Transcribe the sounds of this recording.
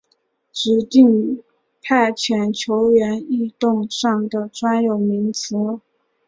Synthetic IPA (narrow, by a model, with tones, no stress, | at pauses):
ʈ͡ʂɻ̩˨˥t̪i˥˧ŋ | pʰa˥˩ɪt͡ɕʰɥɛ˧˥nt͡ɕʰjo˧˥ʊɥɛ˧˥ni˥˧t̪ʊ˥˧ŋʂɑ˥˩ŋd̪ə˩ʈ͡ʂwa˥njo˨˩ʊmi˧˥ŋt͡sɤ˧˥